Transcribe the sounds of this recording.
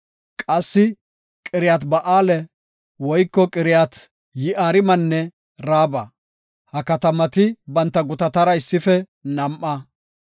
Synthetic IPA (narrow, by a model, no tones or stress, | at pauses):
kʼɐsːɪ | kʼɪɾɪjaːt̪bɐʔaːlɛ | wɔjkːɔkʼɪɾɪjaːt̪ | jɪʔaːɾɪmɐnːɛ | ɾaːbɐ | hɐkɐt̪ɐmɐt̪ɪbɐnt̪ːɐɡʊt̪ɐt̪ɐɾɐɪsːɪfɛ | nɐmʔɐ